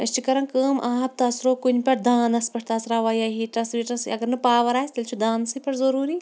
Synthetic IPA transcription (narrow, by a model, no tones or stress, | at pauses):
ɐst͡ʃʰikɐɾɐnkəːmʔaːɦb̚t̪ɐsɾoːkunʲpʲɐʈd̪aːnɐspʲɐʈt̪ɐːsɾaːʋaːjaːɦiːʈɐsʋiʈɐsɐɡɐɾnɨpaːʋɐɾaːsʲt̪ɐlʲt͡ʃʰud̪aːnsɨpʲɐɾzɐɾuːɾi